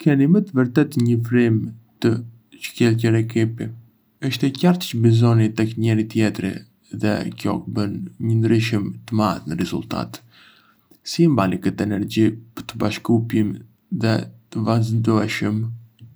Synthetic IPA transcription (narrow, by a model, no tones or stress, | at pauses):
kʰɛnimət̪əvəɾt̪ɛt̪ɲəfɾimt̪ə | t͡ʃə̥cɛlc̬ɛɾɛkipi | əʃt̪ɛcaɾt̪t͡ʃəbizɔnit̪ɛkɲɛɾit̪jɛt̪ɾḭ | ðɛ̰kjɔ̰kəbənɲənd̪ɾiʃ̬əmt̪əma̰ðnəɾɛzṵlt̪a̰t̪ | simbalikət̪ɛnɛɾd͡ʑipə̥t̪əbaʃkupjim | ðɛt̪əvaznd̪uɛʃəm